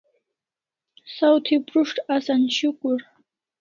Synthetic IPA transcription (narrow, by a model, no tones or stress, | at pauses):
sawt̪ʰipʼrʊʂʈ͡ʂʰʼasanʃɪkʷʼʊr